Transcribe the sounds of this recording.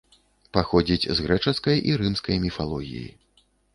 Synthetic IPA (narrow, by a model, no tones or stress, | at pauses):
paxɔd͡zʲit͡sʲzɣɾɛt͡ʂɐskɐjʔiɾɨmskɐjmʲifalˠɔɣʲḭjḭ